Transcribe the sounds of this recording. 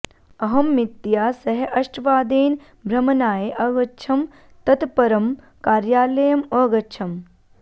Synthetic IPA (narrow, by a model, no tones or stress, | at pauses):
ɐɦɐmːit̪jaːsɐɦeʔɐʃʈʋaːd̪eːn | bʱɾɐmɐnaːjeʔɐɡɐːt͡ʃʰɐm | t̪ɐt̪pɐɾɐm | kaːɾjaːlɐjɐmɐːɡɐt͡ʃʰɐm